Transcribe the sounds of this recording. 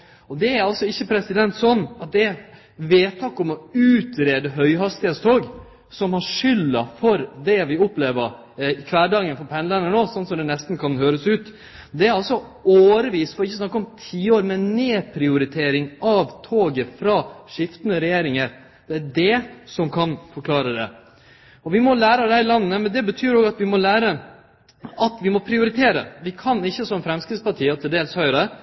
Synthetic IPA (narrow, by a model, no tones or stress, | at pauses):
ɔd̪ɛæɾɑlsɔɪçːəpʰɾɛsɪd̪ɛnt̪sɔnːɑt̪̚d̪ɛæ | ʋeːt̪ʰɑkɔmɔʉːt̪ɾeːd̪əɦœʏɦɑst̪ɪheːt̪st̪ʰoːɡ | sɔmhɑʂʏlːəfɔɾd̪ɛʋɪʊpleːʋəɾ | ɪkʰʋæːɖɑŋənfɔɾpʰɛnlɛnəɳoːsɔnsɔmd̪ɛnɛst̪n̩kʰɑnhøːɾəsʉːt̪ | d̪ɛæɾɑlsɔ | oːəɾʋiːst̪fɔɾɪçːəsnɑkːəɔmt̪ʰiːoːɾmɛneːpʰɾɪʊɾɪt̪ʰeːɾɪŋɑʋt̪ʰoːɡəfɾɑʂɪft̪ənəɾɛjeːɾɪŋəɾ | d̪̥ɛæɖɛsɔmkʰɑnfɔɾkʰlɑːɾəd̪ɛ̰ | ɔʋɪmɔlæːɾɑd̪æɪlɑnːəːəmɛnd̪ɛbət̪ʰyːɾoːɡɑt̪ʋɪmɔlæːɾə | ɑt̪ʋɪmɔpʰɾɪʊɾɪt̪ʰeːɾə̰ʋɪkʰɑnɪçːəsɔmfɾɛmskɾɪt̪spɑʈʰiːət̪ʰɪld̪eːlshœʏɾə